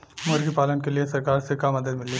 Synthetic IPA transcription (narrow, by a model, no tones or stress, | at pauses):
məɾɡipaːlənkeliesɐɾkaːɾsekamɐd̪əd̪mɪliː